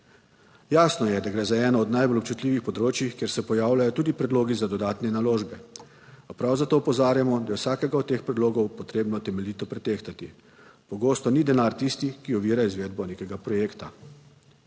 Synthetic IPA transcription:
jaːsnɔjɛd̪aɡɾɛːzaɛːnɔːd̪najbolɔpt͡ʃut̪liːʋixpɔd̪ɾoːt͡ʃjixkjeːɾsɛpɔjaːwlajɔt̪uːd̪ipɾɛd̪loːɡizad̪ɔd̪aːt̪nɛnaloːʒbɛ | apɾawzat̪oːpɔzaːɾjamɔd̪ajɛwsaːkɛɡaɔd̪̚t̪ːeːxpɾɛd̪loːɡɔwpɔt̪ɾeːbnɔt̪ɛmɛliːt̪ɔpɾɛt̪eːxt̪at̪i | pɔɡoːst̪ɔnid̪ɛnaɾt̪ist̪ikiɔʋiːɾaizʋeːd̪̚bɔneːkɛɡapɾɔjeːkt̪a

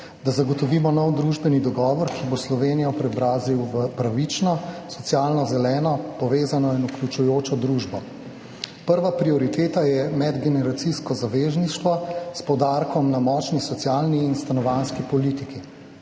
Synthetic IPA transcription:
d̪azaɡɔt̪ɔʋiːmɔnɔwd̪ɾuːʒbɛnid̪ɔɡɔːʋɔɾkʰiboslɔʋeːnijɔpɾɛɔbɾaːziwʋəpɾaʋit͡ʃnɔsɔt̪sjaːlnɔzɛlɛːnɔpɔʋeːzanɔinuklʲut͡ʃujoːt͡ʃɔd̪ɾuːʒbɔ | pəɾʋapɾiɔɾit̪eːt̪ajɛmɛd̪ɡɛnɛɾat̪siskɔzaʋeːzniʃt̪ʋɔspɔwd̪aɾkɔmnamɔt͡ʃnisɔt̪sjaːlniːnst̪anɔʋanskipɔliːt̪iki

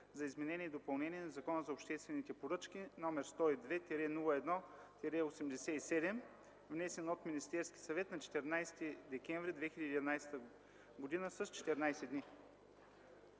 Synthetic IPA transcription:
zɐizmɛnɛniɛid̪opɐlˠnɛnʲiɛnɐzɐkɔnəzɐopʃt̪ɛst̪vɛnit̪ɛpoɾɤt͡ʃkinɔmɛɾst̪ɔid̪vɛt̪ʲɛɾɛnulˠəɛd̪nɔt̪ʲɛɾɛosɛmd̪ɛsɛisɛd̪ɛm | vnɛsɛnot̪minist̪ɛɾskʲi̥sɐvɛt̪nɐt͡ʃɛ̥t̪ɛɾnajst̪id̪ɛkʲɛɱvɾid̪vɛxilʲəd̪inajsɛ̥t̪ə | ɡod̪inəsəst͡ʃɛ̥t̪ɛɾnajsɛd̪ni

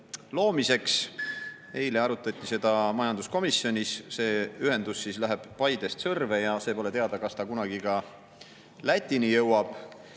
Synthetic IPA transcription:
lo̞ːmise̞ks | e̞jleɑɾut̪ːˑɑt̪ʲːˑise̞d̪̥ɑmɑjɑnd̪usko̞misjo̞nʲisse̞ːyɦe̞nd̪̥usːiːslæɦeb̥ːɑjd̪̥e̞st̪sɤrve̞jɑse̞po̞le̞t̪eɑd̪̥ɑkɑst̪ɑkunɑɡ̥ikɑ | læt̪ʲˑːinijɤwɑb̥

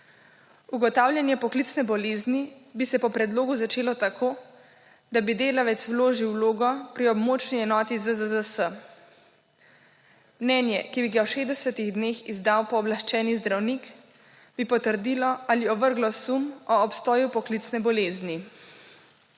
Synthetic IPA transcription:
uɡɔt̪aːwlʲjanjɛpɔklit̪snɛbɔleːznibisɛpɔpɾɛd̪loːɡuzat͡ʃeːlɔt̪akʰoː | d̪abid̪eːlaʋɛt̪swloːʒiwloːɡɔpɾiɔbmoːt͡ʃniɛnɔːt̪izəzəzəsə | mnɛːnjɛkibiɡawʃeːzd̪ɛsət̪iɣd̪neːxizd̪awpɔːblaʃt͡ʃɛːnizd̪ɾawnik | b̥ipɔt̪əɾd̪ilɔaliɔʋəɾɡlɔsumɔːpst̪ɔːjupɔklit̪snɛbɔleːzni

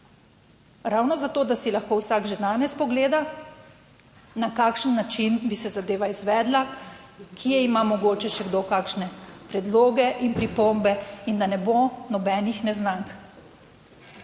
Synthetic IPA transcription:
ɾawnɔzat̪oːd̪asilaxkoːwsaːɡʒed̪aːnɛspɔɡleːd̪a | nakaːkʃənːat͡ʃinbisɛzad̪eːʋaizʋɛːd̪lakʰijɛimamɔɡoːt͡ʃɛʃɛɡd̪okaːkʃnɛpɾɛd̪loːɡɛʔinpɾipombɛind̪anɛbonɔbɛːnixnɛznaŋk

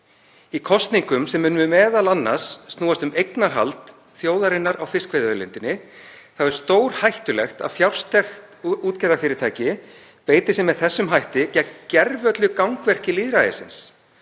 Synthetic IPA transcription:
ikʰɔst̪niŋkʏmsɛmːʏːnʏmʏmɛːðalanːasːt̪nuːast̪ʏmejknaɾ̥ɦa̰lt̪ | θjoːwðaɾɪnːaɾʔawfɪskvejðœlɪnt̪ɪnːɪθaɛɾ̥st̪oːwɾ̥hajht̪ʏlɛxt̪a̰fjawr̥st̪ʰɛxt̪uːt̪cɛɾðafɪːɾɪɾt̪ʰaːjcɪ | peːjt̪ɪsɛmːɛðθɛsːʏmɦajht̪ɪcɛcɛɾvœt̪lʏkawŋkvɛr̥cɪliːðɾajðɪ̰sɪ̰ns

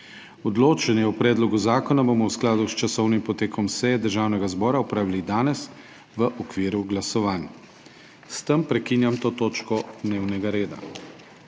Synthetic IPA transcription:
ɔd̪loːt͡ʃɛnjɛwpɾɛːd̪lɔɡuzaːkɔnabomɔwsklaːd̪ust͡ʃasɔwnimpɔt̪eːkɔmsɛjɛd̪əɾʒaːwnɛɡazbɔːɾaɔpɾaːʋilid̪aːnɛs | ʋəʔɔkʋiːɾuɡlasɔʋaːnj | st̪əmpɾɛkiːnjamt̪oːt̪oːt͡ʃkɔd̪neːwnɛɡaɾeːd̪a̰

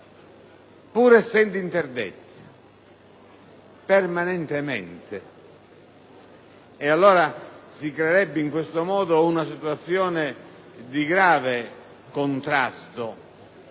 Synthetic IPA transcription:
puːɾɛsːɛnd̪ʊint̪erd̪ḛt̪ː | pɛrmanɛnt̪emɛ̰nt̪ɪ | ɛalːɔːɾasikɾɛɾɛbːɪiŋkwest̪omɔːd̪ounasit̪wat̪sːjɔːnɪ | d̪iɡɾaːve | kont̪ɾast̪o

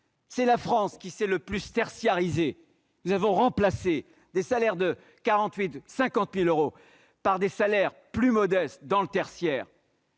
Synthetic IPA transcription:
sɛlafχɑ̃skʲisɛləplyst̪ɛʁsjaʁize | nuzavɔ̃ʁɑ̃plase | d̪esalɛʁd̪ə | kaʁɑ̃t̪ɥit̪sɛ̃kɑ̃t̪miløʁo | paʁd̪esalɛʁplymɔd̪ɛst̪d̪ɑ̃lət̪ɛʁsjɛːʁ

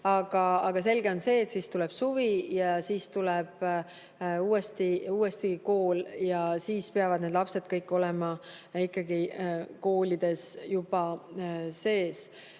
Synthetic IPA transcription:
ɑɡ̥ɑɑɡ̥ɑse̞lɡ̥e̞o̞nse̞ːt̪siːst̪ulɛb̥suvijɑsiːst̪ulɛb̥ | uːest̪iuːest̪iɡko̞ːljɑsiːspeɑvɑd̪ne̞d̪lɑpse̞d̪̥kɤjkːˑo̞lɛmɑ | ikːɑɡiko̞ːlʲid̪̥e̞sjub̥ɑ | se̞ːs

